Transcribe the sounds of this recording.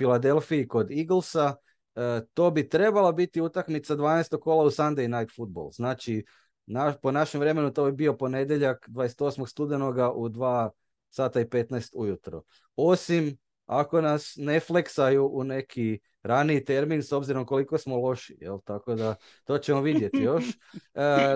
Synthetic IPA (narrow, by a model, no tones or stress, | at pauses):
filˠad̪e̞lˠfiiko̞d̪iɡl̩ˠsa | t̪o̞ːbit̪ɾe̞balabit̪iut̪akmit̪sad̪ʋaːnest̪okːolˠausand̪ejnajt̪fud̪̚bo̰lznaːt͡ʃi | naponaʃemʋɾe̞me̞nut̪o̞bibio̞po̞ne̞d̪jeʎakd̪ʋajeset̪o̞smoɡst̪ud̪enoɡaʔud̪ʋaː | saːt̪aipe̞t̪nast̪ujut̪ɾo̰ | o̞sim | a̰ko̞nasne̞fleksajuʔune̞kʰi | ɾaniit̪e̞ɾminso̞bziɾo̞mko̞liko̞smolo̞ʃijḛlt̪ako̞d̪a | t̪o̞ːt͡ɕemoʋid̪je̞t̪ijo̞ʃ